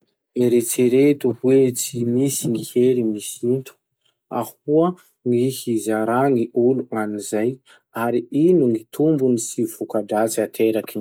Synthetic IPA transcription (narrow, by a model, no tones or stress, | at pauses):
eɾet͡seɾet̪uhwet͡simisiŋiheɾimisint̪u̥ | a̰huə | ŋihizaɾaŋiʔuluŋanizaj | aɾiinuŋit̪ʰumbunisiv̥ukaɖ͡ʐat͡siat̪ʰeɾaki